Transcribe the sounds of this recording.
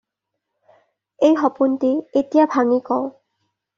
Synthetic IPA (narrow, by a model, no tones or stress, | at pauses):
ejɦɔpuntietijabʱaŋikɔʊ